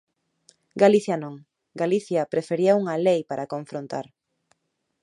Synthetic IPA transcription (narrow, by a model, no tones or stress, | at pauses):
ɡaliθjɐnõŋ | ɡaliθjɐpɾefeɾiɐuŋɐlejpaɾʔɐkõɱfɾõnt̪a̰ɾ